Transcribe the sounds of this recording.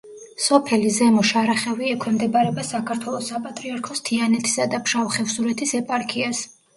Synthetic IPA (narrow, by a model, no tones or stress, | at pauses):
sɔpʰɛlizɛmɔʃaɾaχɛviɛkʰwɛmd̪ɛbaɾɛbasakʰaɾt̪ʰwɛlˠɔsːapʼat̪ʼɾiaɾkʰɔst̪ʰianɛt̪ʰi̥sad̪apʰʃavχɛfsuɾɛt̪ʰisɛpʼaɾkʰias